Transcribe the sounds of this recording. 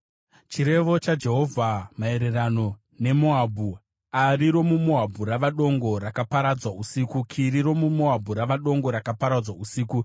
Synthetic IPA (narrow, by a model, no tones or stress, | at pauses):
t͡ʃiɾe̞ʋo̞t͡ʃad͡ʒe̞ɦo̞vʱamae̞ɾe̞rano̞ | ne̞moabʱu | ariɾo̞mumoɦabʱuɾaʋaɗo̞ŋɡo̞rakapaɾad͡zwausikukʰiɾiɾo̞mumoɦabʱuɾaʋaɗo̞ŋɡo̞ɾakapaɾad͡zwausiːku